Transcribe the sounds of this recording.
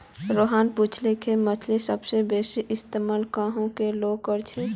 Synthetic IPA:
ɾoːɦaːnpuːt͡ʃʰlekʰemət͡ʃʰlisəbsebeːsiʔɪst̪emaːlkaːɦõkeloːkəɾt͡ʃʰe

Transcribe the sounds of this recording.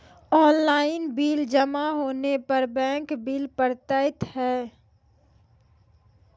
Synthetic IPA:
ɔːnlaːɪnbiːld͡ʒəmaɦoːnepɐɾbɛ̃ːŋkbiːlpəɾt̪aːɪt̪ɦɛː

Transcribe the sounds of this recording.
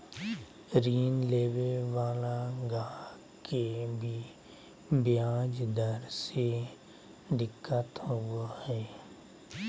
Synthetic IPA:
ɾiːnleːʋeʋaːlaɡãː | kebʱi | bɪjaːd͡ʒd̪əɾse | d̪ɪkːət̪ɦuahɛː

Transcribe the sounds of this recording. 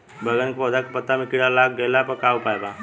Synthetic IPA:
bʱəɡənkepɔːd̪akpət̪ːamikiɽalak̚ɡelapəkaupaːjba

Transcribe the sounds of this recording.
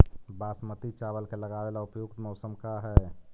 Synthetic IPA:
baːsmət̪it͡ʃabəlkeləɡaʋelaʊpjuɡt̪məʊsəmkaɦɛ

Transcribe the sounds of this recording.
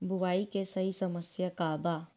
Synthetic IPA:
bʱʊʋaːikesɐɦisɐməsjakaːbaː

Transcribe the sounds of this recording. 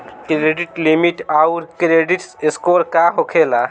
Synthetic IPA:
kɾeɖiʈlimiʈauɾkɾeɖiʈsɪskoːɾkaɦokʰeːla

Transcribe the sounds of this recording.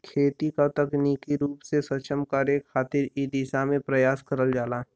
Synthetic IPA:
kʰeːt̪ikat̪əkniːkiɾuːpsesət͡ʃəmkaːɾjekʰaːt̪ɪɾiːd̪iːsamẽpɾəjaːskəɾəld͡ʒaːlaː

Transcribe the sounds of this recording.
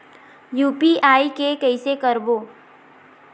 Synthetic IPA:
juːpiaːikekəɪsekəɾboː

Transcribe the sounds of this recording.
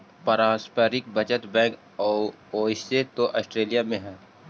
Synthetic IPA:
pəɾãːspəɾɪk̚bəd͡ʒət̪bɛ̃ːk | ɔː | oːiset̪oʔɔːsʈɾeːlijamẽɦɛ̃ː

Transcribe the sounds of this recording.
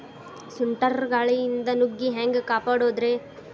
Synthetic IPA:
suɳʈɐɾɡaːɭijind̪ɐnuɡːiɦeːŋɡekaːpaːɽoːd̪ɾe̞ː

